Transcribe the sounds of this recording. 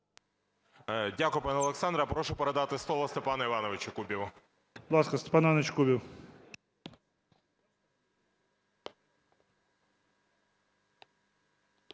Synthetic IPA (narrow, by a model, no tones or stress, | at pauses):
dʲakʊjʊpɑnɛɔlˠeksɑnd̪ɾɐpɾɔʃʊpeɾed̪ɑt̪ɪslˠɔʋɔst̪epɑnɐiʋɑnɔʋɪt͡ʃɐkubʲiwɐ | bd̪lˠɑskɐst̪e̥pɑnanɐt͡ʃkubʲiw